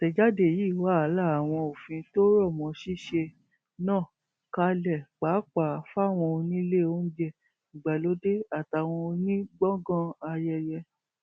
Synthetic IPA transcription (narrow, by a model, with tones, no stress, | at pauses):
tɛ˨d͡ʒa˦de˦˨ji˨˦˨wa˨˦a˨˦la˦˨a˨w̃ɔ̃˧o˨fĩ˧to˦ɾɔ˦˨mɔ̃˨˦ʃi˦ʃe˧ | nãː˦˨ | ka˧˦lɛ˨k͡pa˨˦k͡pa˨fa˦˨w̃ɔ̃˧o˧nĩ˦le˦˨o˦n̩˦d͡ʒɛ˦˨ | i˨ɡ͡ba˨lo˨˦de˦a˦˨ta˨w̃ɔ̃˧o˧nĩ˦ɡ͡bɔ̃˦ɡɔ̃˦a˧jɛ˧jɛ˧